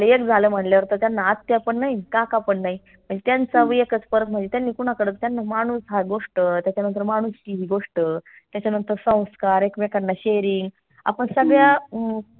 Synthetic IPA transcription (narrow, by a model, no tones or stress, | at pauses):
leekd͡zʱaləm̤əɳljaʋəɾt̪ət̪janːaat̪ːeapəɳːaɦikakapəɳːaɦi | m̤əɳd͡zet̪jant͡saʋəekət͡spəɾət̪̚m̤əɳd͡zet̪janːiːkunakəɽət̪̚t̪janːamaɽ̃uːsɦaɡoʂʈət̪jat͡ɕjanənt̪̬əɾmaɽ̃uːstiɦiːɡoʂʈə | t̪jat͡ɕanənt̪əɾsə̃w̃skaɾekmekəɽnaɕeɾiŋɡ | a̰pəɳsəɡɭja